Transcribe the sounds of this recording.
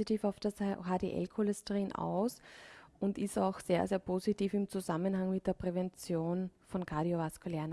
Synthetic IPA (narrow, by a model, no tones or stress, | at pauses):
itiːfaʊfd̥asɦaːdeːʔɛ̰lkʰolɛstəʁiːna̰ʊsʊntɪstaʊxseːɐzeːɐpʰoːzitiːfɪmt͡suzamənhaŋmɪt̚d̥eːɐpʁ̥ɛvɛnt͡sjoːnfɔnkʰaːɾiovaskuleːn